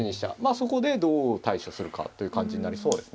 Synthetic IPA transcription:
iɲ̟iɕi̥t̪a̰maːso̞ko̞d̪e̞d̪o̞ːt̪aiɕosɨɾɯ̟ka̰t̪ːo̞jɯ̟kãɲ̟d͡ʑiɲ̟inaɾʲiso̞ːd̪e̞sɨ̥ne

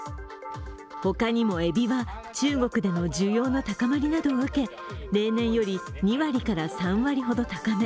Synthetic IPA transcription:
ho̞kaɲ̟imo̞e̞bʲiβat͡ɕɨːɡo̞kɯ̟d̪e̞no̞ʑɨːjo̞ːnot̪akamaɾʲinad̪o̞ːɯ̟ke̞ | ɾe̞ːnẽ̞ɰ̃jo̞ɾʲiɲ̟iβaɾʲikaɾasãɰ̃βaɾʲihod̪o̞t̪akame

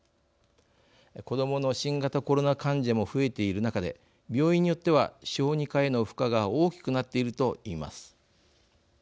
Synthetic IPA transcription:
ko̞d̪o̞mo̞no̞ɕĩŋɡat̪ako̞ɾo̞nakãɲ̟d͡ʑamo̞ɸɯ̟e̞t̪e̞iɾɯ̟nakad̪e̞̰ | bʲjo̞ːĩɲ̟ːijo̞t̪ːe̞βaɕo̞ːɲ̟ikae̞no̞ɸɯ̟̥kaɡao̞ːkʲi̥kɯ̟nat̪ːe̞iɾɯ̟t̪o̞iːma̰sɨ̥

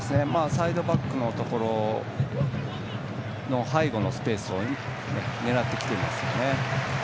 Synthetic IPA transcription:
sɨne̞maːsaid̪o̞bakːɯ̟no̞t̪o̞ko̞ɾo | no̞haiɡo̞no̞sɨ̥pe̞ːsɨo | nene̞ɾat̪ːe̞kʲi̥t̪e̞ima̰sɨjo̞̰ne̞

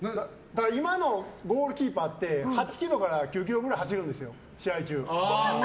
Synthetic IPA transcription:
d̪aimano̞ɡo̞ːɾɯ̟kʲiːpat̪ːe̞hat͡ɕi̥kʲiɾo̞kaɾakʲɨːk̬ʲiɾo̞ɡɯ̟ɾaiɦaɕiɾɯ̟̃nd̪e̞sɨjo̞ | ɕiait͡ɕɨː

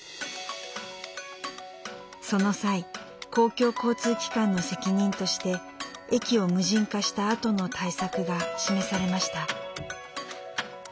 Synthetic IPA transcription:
so̞no̞sai | ko̞ːkʲo̞ːko̞ːt͡sɨːkʲi̥kãnːo̞se̞kʲiɲ̟ĩnt̪o̞ɕi̥t̪e̞ | ekʲio̞mɯ̟ʑĩŋkaɕi̥t̪aːt̪o̞no̞t̪ʰaisakɯ̟ɡaɕime̞saɾe̞maɕi̥t̪a

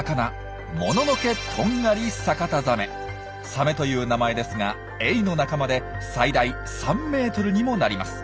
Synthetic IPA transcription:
kana | mo̞no̞noke̞t̪ʰõ̞ŋɡaɾʲisakat̪azame̞ | same̞t̪o̞jɯ̟ːnamae̞d̪e̞sɨŋa | e̞ino̞nakamad̪e̞said̪ai | sãmːe̞ːt̪o̞ɾɯ̟ɲ̟imo̞naɾʲima̰sɨ̥

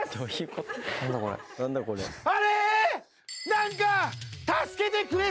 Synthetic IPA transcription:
t̪oikot̪nand̪akoɾḛnand̪akoleaɾe | naŋikat̪asɨ̥ked̪ekɯɾe

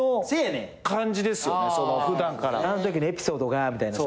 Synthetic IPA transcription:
osene | kãɲd͡ʑid̪e̞sɨɨjonesooɸɯ̟d̪ãŋkaɾa̰anot̪̬okʲiɲe̞pʲi̥so̞ːd̪o̞ɡamʲit̪aina

